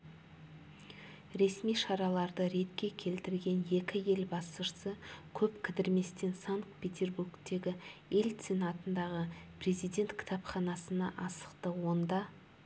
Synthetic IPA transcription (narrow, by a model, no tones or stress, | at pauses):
ɾe̞smijʃɑɾɑlˠɑɾd̪əɾe̞t̪kʲe̞kʲʰe̞lt̪ɪɾɡʲe̞nje̞kʲɪje̞lbɑsəʃsəkʲʰɵpkʲʰɪd̪ɪɾme̞st̪e̞nsaŋk̪pʲʰe̞t̪ʰʲe̞rburkt̪e̞ɡʲɪe̞lʲt̪senɑt̪ənd̪ɑʁəpre̞zijd̪ʲe̞nt̪kʲʰɪ̥t̪ʰɑpχɑnɑsənɑʔɑsə̥qt̪əwo̞nd̪ɑ